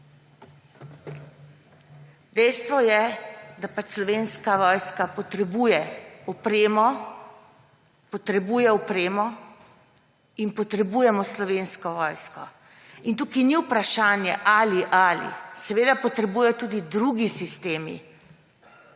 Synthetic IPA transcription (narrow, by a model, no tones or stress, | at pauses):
d̪ɛjst̪ʋɔjɛd̪apat͡ʃslɔʋeːnskaʋɔːjskapɔt̪ɾɛbujɛɔpɾeːmɔ | pɔt̪ɾɛbuːjɛɔpɾeːmɔ | inpɔt̪ɾɛbujɛmɔslɔʋeːnskɔʋɔjskɔ | int̪uːkiniwpɾaʃaːnjɛʔaliʔalḭsɛʋeːd̪apɔt̪ɾɛbuːjɛt̪uːd̪id̪ɾuɡisist̪eːmḭ